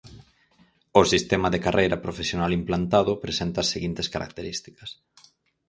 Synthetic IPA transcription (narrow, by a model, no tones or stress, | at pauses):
ʊsist̪emɐðekarʔejɾɐpɾofesjonalimplant̪aðʊpɾesent̪ɐaseɣint̪eskaɾʔa̰k̚t̪eɾist̪i̥kɐs